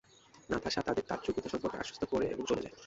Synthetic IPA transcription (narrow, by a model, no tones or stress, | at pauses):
nat̪ʰaʃat̪ad̪eɾt̪a̰tt͡ɕukit̪ʰoʃɔmpoɾkʰḛa̰ʃo̥st̪ʰokoɾḛḛboŋd͡ʑoled͡ʑa̰e